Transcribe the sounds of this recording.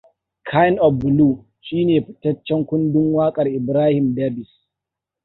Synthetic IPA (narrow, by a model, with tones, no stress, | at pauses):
kʰa˦jɪ˦nʔɔ˨fbʊ˨luː˦˨ | ʃiː˦neː˨ɸɪ̥˦tɐ˦t͡ʃːɛ˦ŋkʷʊ˦ndʊ˦ŋwaː˦kʼɐ˨rʔɪ˨bɾaː˦hɪ˨mda˦bɪ˨s